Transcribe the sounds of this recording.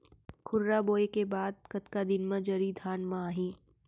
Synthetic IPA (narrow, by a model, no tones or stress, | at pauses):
kʰʊɾɾaboːekebaːd̪̚kɐt̪kad̪ɪnmɐ̃d͡ʒɐɾid̪ʱaːnmãaːɦĩː